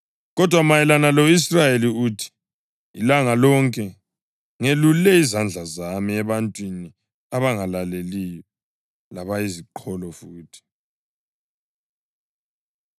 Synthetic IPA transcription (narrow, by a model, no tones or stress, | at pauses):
ɣɔdʱwamajɛlanalois̬rajeliuːtʰi̥ | ḭlaŋalɔŋkʼɛ | ŋelulɛizand͡ɮʱazamiɛβantʼwini | aβaŋalalelijɔ | laβaiziǃʰɔlɔfuːtʰi̥